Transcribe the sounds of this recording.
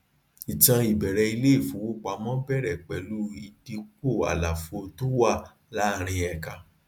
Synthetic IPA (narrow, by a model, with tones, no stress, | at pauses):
i˨tã˧i˨bɛ˨ɾɛ˧i˧le˦i˦˨fu˨wo˦k͡pa˧˦mɔ̃˦bɛ˦˨ɾɛ˨k͡pɛ˨˦lu˨˦i˧di˧k͡po˦˨a̰˨la˨fo˧tu˦wa˦˨ | la˨˦˨ɾ̃ĩ˧ɛ˧ka˨˧